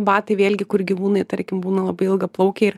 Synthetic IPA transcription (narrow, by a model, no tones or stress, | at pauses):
bɑːt̪ɐɪʋʲeːlʲɡʲɪkʊrɡʲiʋuːnɐɪt̪ɐɾʲkʲɪmbuːnɐlˠɐbɐɪɪlˠɡɐplˠɐʊkʲɛɪr